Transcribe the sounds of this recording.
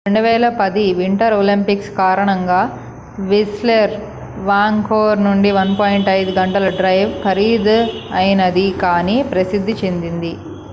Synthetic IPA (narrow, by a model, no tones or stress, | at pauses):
ɾe̞ɳɖuʋɛːlɐpɐd̪iʋiɳʈɐɾoːlimpikskaːɾɐɳɐŋɡaː | ʋisleɾ | ʋaːŋɡkoːɾnuɳɖiʋɐnpoːjɳʈɐjd̪uɡɐɳʈɐlɐɖɾɐjʋkʰɐɾiːd̪ɐjnɐd̪ikaːniːpɾɐsid̪ʱːit͡ʃend̪ind̪i